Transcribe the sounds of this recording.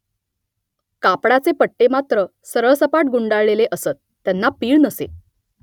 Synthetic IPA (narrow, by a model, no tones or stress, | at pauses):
kapɽat͡sepəʈːemat̪ɾə | səɾəɭsəpaʈɡuɳɖaɭɭeleʔəsət̪ːjanːapiːɭnəsḛ